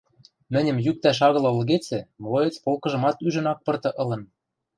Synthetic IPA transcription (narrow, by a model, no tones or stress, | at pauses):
mɘ̆nʲɘ̆mjyk̚t̪æʃ̬ɑɣɤ̆lɤ̆lɣet͡sĕmlojɤ̆t͡spolkɤ̆ʒɤ̆mɑt̪yʒə̆nɑk̚pɤ̆rt̪ɤ̆ʔɤ̆lɤ̆n